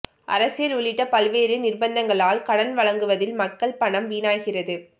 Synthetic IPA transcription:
ʔɐ̰ɾɐsɪjɐlʊɭɪʈːɐpɐlʋeːɾɯnɪrbɐnd̪ɐŋɡɐɭaːlkɐɽɐnʋɐɭɐŋɡɯʋɐðɪlmɐkːɐɭpɐɳɐmʋiːnaːjɣɪrɐðɯ

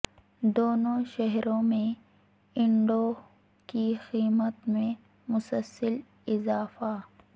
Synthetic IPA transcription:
d̪oːnoʃɛɦɾõmẽ | ɪ̃ɳɖo | kixiːmət̪mẽ | mʊsəlsəl | ɪzaːfa

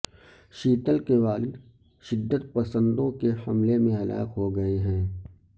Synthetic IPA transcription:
ʃiːt̪əlkeʋaːlɪd̪ | ʃɪd̪ːət̪pɐsə̃nd̪õkehɐmlemẽɦɐla̰ːɪqɦoɡɐeɦɛ̃ː

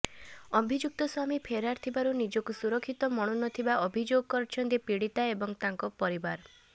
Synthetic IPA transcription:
ɔbʱid͡ʒuk̚t̪ɔswamipʰeɾaɾt̪ʰibaɾunid͡ʒɔkusuɾɔkʰːit̪ɔmɔɽ̃unɔt̪ʰibaʔɔbʱid͡ʒoɡɔkɔɾt͡ʃʰɔnt̪iepiɽit̪aebɔŋt̪aŋkɔpɔɾibaɾ

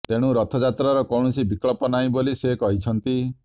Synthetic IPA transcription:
t̪eɽ̃uɾɔt̪ʰɔd͡ʒat̪ɾaɾɔkɔwɽ̃usibikɭɔpɔnaĩbolisekɔɦit͡ʃʰɔnt̪i

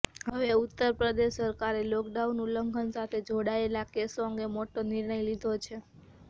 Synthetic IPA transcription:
ɦəʋeut̪ːəɾpɾəd̪eʃːəɾkaɾelokɖaunuləŋɡʱənsat̪ʰed͡ʒoɽaelakesoə̃ŋɡemoʈonɪɾɳ̃əjlid̪ʱot͡ʃʰe

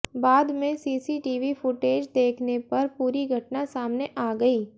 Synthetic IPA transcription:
baːd̪mẽsiːsiʈiːʋifʊʈeːd͡ʒd̪eːkʰnepɐɾpuːɾiɡʱɐʈnasaːmneʔaːɡɐiː

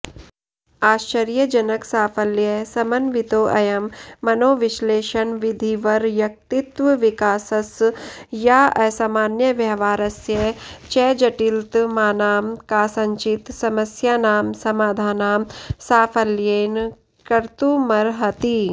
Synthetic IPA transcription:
aːʃt͡ʃəɾjəd͡ʒɐnəksaːpʰəljəsɐmənʋɪt̪oːʔɐjɐmːɐnoːʋɪʃleːʃənʋɪd̪ʱiʋɐɾʋjɐk̚t̪ɪt̪ʋəʋɪkaːsəsjaːɐsamaːnjəʋjɐɦʋaːɾɐsjət͡ʃɛːd͡ʒɐʈilt̪maːnaːmkaːsɐ̃ɲt͡ʃɪt̪sɐməsjaːnaːmsɐmaːd̪ʱaːnaːmsaːfʰəljeːn | kɐɾt̪umɐɾɦɐt̪i

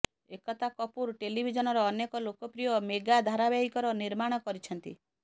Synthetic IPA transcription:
ekɔt̪ʰakɔpuɾʈelibʱid͡ʒɔnɔɾɔːnekɔlokɔpɾijɔmeɡad̪ʱaɾabeɦikɔɾɔniɾmaɽ̃ɔkɔɾit͡ʃʰɔnt̪ḭ

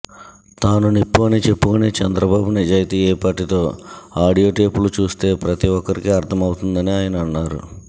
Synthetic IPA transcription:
t̪aːnunipːoːnit͡ʃe̞pːukuneːt͡ʃɛnd̪ɾɐbaːbunid͡ʒaːjit̪iːɛːpaːʈːit̪o̞ːaːɽijo̞ːʈe̞ːpulut͡ʃuːst̪e̞ːpɾɐt̪iʋɔkːɐɾikiɐɾt̪ʰɐmɐwt̪und̪ɐniaːjɐnɐɐnːaːɾṵ

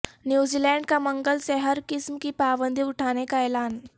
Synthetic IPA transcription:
njud͡ʑilɛ̃ɳɖkaməŋɡəlsɛɦəɾkismkiːpaʋənd̪ʱiuʈʰaɽ̃ekajlan

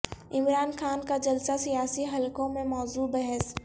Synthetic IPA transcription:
ɪmɾaːnxʰaːnkad͡ʒɐlsasijaːsiɦɐlkõmẽmɔːzuːbɛɦɛs

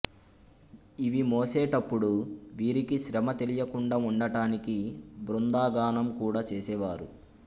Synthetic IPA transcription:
iʋimoːsɛːʈɐpːuɽuʋiːɾikiʃɾɐmɐt̪e̞lijɐkuɳɖauɳɖɐʈaːnikibɾund̪aːɡaːnɐmkuːɽaːt͡ʃeːsɛːʋaːɾu

